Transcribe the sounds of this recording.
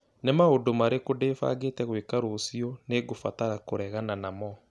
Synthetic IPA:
nemaodomaɾekodefa̰ːɣetɛɣwekaɾosiɔneɡofataɾakoɾɛɣananamɔ

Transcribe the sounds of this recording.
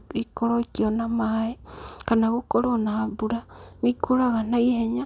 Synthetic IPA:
ikoɾoikionamaekanaɣokoɾonaːbuɾanikoɾaɣanaiheɲa

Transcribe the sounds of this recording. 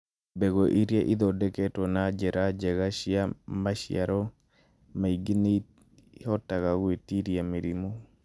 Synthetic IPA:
beɡoʔiɾjeʔid̪ɔdɛketɔnad͡ʒɛɾʔad͡ʒɛɡaʃjamaʃɪ̰a̰ɾɔ | maiɡini | hɔtakaɡwetiɾjamiɾimo

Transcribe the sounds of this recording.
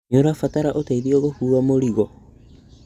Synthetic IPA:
ɲoɾafataɾaʔoteiɾioɣohuːɾamoɾiɣɔ

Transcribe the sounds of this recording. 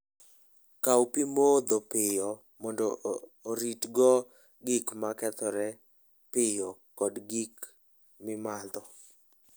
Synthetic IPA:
kawpimod̪opɪjɔ | mɔndoːɾitɡɔ | ɡikmakɛt̪ɔɾɛ | pɪjɔkɔdɡik | mɪmad̪ɔ

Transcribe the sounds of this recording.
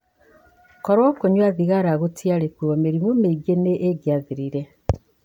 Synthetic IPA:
koɾoːkoɲwaːðiɣaɾaɣutʰjalekuomeɾimomeɡeneʔːɡjaðiɾiɾe

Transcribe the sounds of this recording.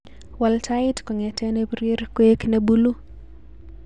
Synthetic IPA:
waltʰaɪtkɔŋɛtʰɛnebɾeɾkweknɛbulu

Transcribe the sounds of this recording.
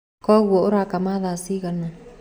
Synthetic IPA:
kɔɣuɔoɾakamaðaːsiɣana

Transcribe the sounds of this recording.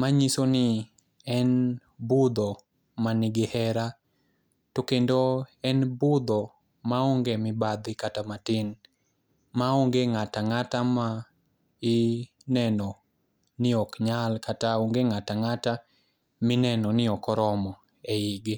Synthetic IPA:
maɲisonɪ | ɛnbud̪ɔ | manɪɡɪhɛɾa | tokendoɛnbʊd̪ɔ | maoŋɡemɪbad̪ɪkatamatɪn | maoŋɡeŋataŋatama | ɪ | nɛnɔ | nɪɔkɲalkataoŋɡeŋataŋata | mɪnɛnɔnɪɔkɔɾɔmɔ | eɪɡɪ

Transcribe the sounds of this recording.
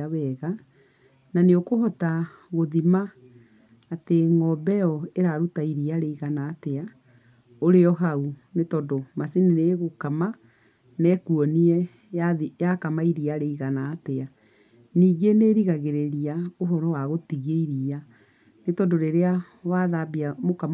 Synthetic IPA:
wɛɣa | naneokoɦɔtaɣoðimaː | teŋɔbɛɔeɾaɾutaiɾiaɾeiɣanaːtɛa | oɾeɔɦaunetɔdomasenineɣokama | nɛkuɔniɛ | jajakamaiɾiaɾeiɣanaːtɛa | niːɡeneɾiɣaɣeɾeɾiaoɦɔɾɔwaɣotiɣeiɾia | netɔdoɾeɾea | waðabiamokam

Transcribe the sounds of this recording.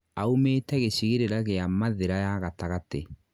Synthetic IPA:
aumeːtɛɣeɕiɣeɾeɾaɣeamaðeɾajaɣataɣate

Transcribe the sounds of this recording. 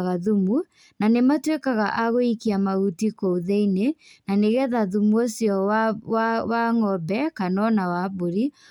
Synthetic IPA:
ɣaðumu | nanematwekaɣaʔaɣoikiamaɣutikouðeinenaneɣɛðaðumuosjɔwawaŋɔbɛkanɔnawaβoɾi

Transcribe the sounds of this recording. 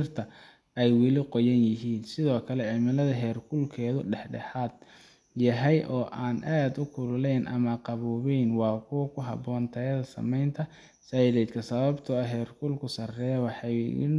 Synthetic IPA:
rt̪ʰɐ | ɛjwɪlɪqɔjɐnjɪɦiːnsɪðɔːkʰɐlɛʕɪmɪlɐðɐɦɛːrkʰʊlkʰɛːðʊɖɛħɖɛ̰ħaːd̪̥ | jɐɦɛjʔɔːʔaːnʔaːd̪ʊkʰʊlʊlɛjnʔɐ̰mɐqɑβuːβɛjnwɑːkʰʊwkʰʊɦɑ̰bɔːnt̪ʰɛjɐðɐsɐ̰mɛjnt̪ʰɐ | saːɪðɛːd̪kʰɐsɐβɐbt̪ʰʊɐɦɛːrkʰʊlkʰʊsɐrɛwɑħɑjɪ̰n

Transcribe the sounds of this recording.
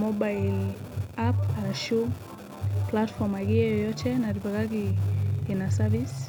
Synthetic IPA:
mɔbajlapaaʃu | platfɔmaɡiɛjɔjɔtʰɛnaɾipakakikinasavis

